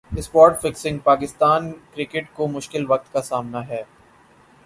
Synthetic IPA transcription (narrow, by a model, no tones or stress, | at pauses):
ɪspɔːɾʈfɪksɪ̃ŋɡpaːkɪst̪aːnkɾɪkɪʈkomʊʃkɪlʋɐk̚t̪kasaːmnaɦɛː